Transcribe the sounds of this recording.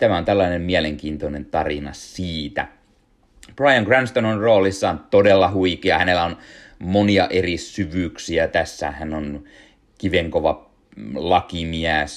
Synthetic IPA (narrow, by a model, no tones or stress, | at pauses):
t̪æmæont̪ælːɑinemmiæleŋkiːnt̪onent̪ɑrinɑsiːt̪æ̰ | b̥rɑjɑŋɡrænst̪ononroːlisːɑːnt̪odelːɑhuikeɑhænelːæon | moniɑʔerissyʋyːksiæt̪æsːæ̰hænːon | kiʋeŋkoʋɑ | lɑkimiæs